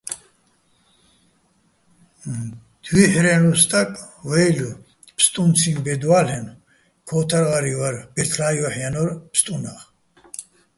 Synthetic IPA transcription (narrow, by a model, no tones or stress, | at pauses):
d̪̥wiħɾɛnlust̪ʼakʼ | vɛjlu | pʰst̪ʼunt͡sʰinbɛd̪walɛn | kʰɔt̪ʰaɾʁaɾivaɾbɛɾt̪ʰlaːjɔħjanɔɾpʰst̪ʼunaχ